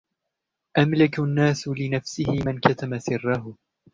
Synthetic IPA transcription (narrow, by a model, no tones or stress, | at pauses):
ʔamlɪknːaːslɪnafsɪhɪmɪnkat̪amasɪrːaɦʊ